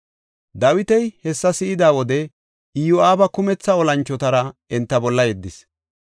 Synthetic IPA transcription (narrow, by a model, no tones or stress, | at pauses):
d̪ɐwɪt̪ɛjhɛsːɐsɪɪd̪aːwɔd̪ɛ | ɪjɔaːbɐkʊmɛt͡sːɐɔlɐnt͡ʃːɔt̪ɐɾɐɛnt̪ːɐbɔlːɐjɛd̪ːɪs